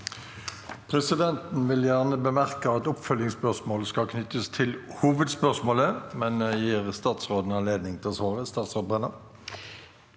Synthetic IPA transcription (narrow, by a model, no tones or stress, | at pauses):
pʰʁɛsɪd̪ɛnt̪n̩ʋɪljæʁnəbəmæʁkəɑt̪ʊpfœlɪŋspœʁsmoːləskɑkʰnʏt̪ːəst̪ʰɪlhuːʋəd̪spœʁsmoːləmɛnjiːʁst̪ɑːt̪sʁoːd̪n̩ɑnleːd̪nɪŋt̪ʰɪlsʋɑːʁəst̪ɑːt̪sʁoːd̪̚bɛnə